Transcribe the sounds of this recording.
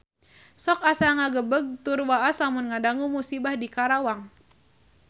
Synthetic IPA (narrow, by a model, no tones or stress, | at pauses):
sɔk̚asaŋaɡəbəɡ̚t̪urwaaslamʊnŋadaŋumusibahdikaɾawaŋ